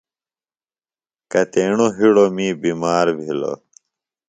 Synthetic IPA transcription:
kɐt̪eːɳoɦiɽomĩːbimaːɾbʱilo̰

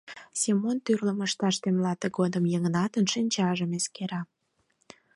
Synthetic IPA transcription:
simont̪yrləməʃt̪ɑʃt̪emlɑt̪əɡod̪əmjəŋənɑt̪ənʃinʲt͡ɕɑʒəmeskeɾɑ

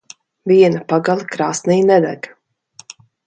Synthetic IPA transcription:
viɛnapaɡalʲˠikɾaːsnijnɛd̪aɡ

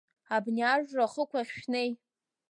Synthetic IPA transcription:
abniaʐraχəkʷʰaχʲʃᶣnej

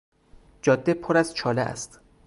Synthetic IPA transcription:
d͡ʒɒːd̪ːepʰoɾæzt͡ʃʰɒːleʔæ̰st̪

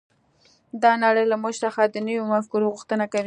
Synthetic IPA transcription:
d̪ɑnaɽəjlamoʃsaxad̪ənəwjomafkuɾoɣuxt̪ənakawi

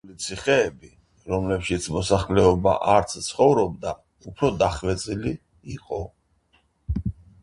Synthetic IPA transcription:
lit̪sʰiχɛːbi | ɾɔmlɛpʃit̪sʰmɔsaχlɛɔba̰ʔaɾt̪sʰt̪sʰχɔvɾɔb̚d̪a | upʰɾɔd̪aχvɛt̪sʼili | iqʼɔ

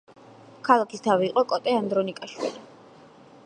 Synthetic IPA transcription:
kʰalˠakʰist̪ʰaviːqʼɔkʼɔt̪ʼɛand̪ɾɔnikʼaʃwḭli

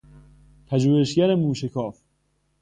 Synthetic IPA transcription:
pʰæd͡ʒuːheʃɟæɾemuːʃekʰɒːf

